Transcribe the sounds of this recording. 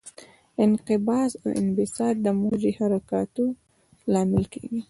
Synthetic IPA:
ɪnqɪbɑsa̰wɪ̰nbɪsɑɾ̚d̪əmod͡ʒehaɾakɑt̪o | lɑmɪlkeɡi

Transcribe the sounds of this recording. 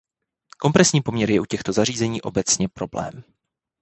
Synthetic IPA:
ko̞mpɾɛsɲiːpo̞mɲɛɾjɛʔucɛxt̪o̞zar̝iːzɛɲiːʔo̞̰bɛt͡sɲɛpɾo̞blɛ̰ːm

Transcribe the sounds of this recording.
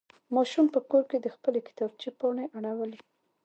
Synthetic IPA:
mɑʃumpəkoɾked̪əxpəlekɪ̥t̪ɑb̚t͡ʃepɑɳeʔaɽawəle

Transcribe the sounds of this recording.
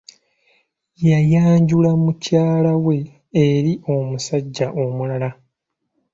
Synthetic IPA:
jajaːɲɟulamucaːlawe̞ː | ɾiʔo̞musaɟːaʔo̞mulala

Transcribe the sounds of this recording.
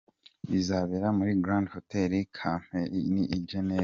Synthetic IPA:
izaβeɾamuɾiɡɾãndhoteɾikʰam̥eniʔːɟene

